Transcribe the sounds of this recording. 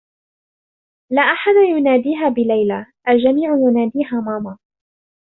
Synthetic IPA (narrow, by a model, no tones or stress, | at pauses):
laːʔaħad̪ajʊnaːd̪iːɦaːbɪlajlaʔald͡ʒamiːʕʊjʊnaːd̪iːɦaːmaːmaː